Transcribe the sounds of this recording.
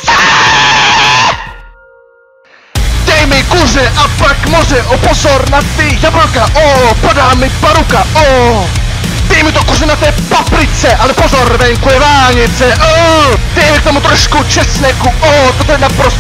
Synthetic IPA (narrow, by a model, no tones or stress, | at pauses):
d̪̥ɛjmɪkuzɛʔapakmɔzɛʔɔpɔzɔrnat̪ːiʝabɾokaʔopodaːmɪpaɾukaɔ | d̪ɛjmɪt̪okuzɛnat̪ɛpapɾit̪sɛʔalɛpɔzɔrvɛŋkuɛvaːɲɪt̪sɛʔɔd̪̥ɛjmɪk̚t̪omut̪ɾɔʃkut͡ʃɛsnɛkuɔt̪ot̪oɛnapɾɔs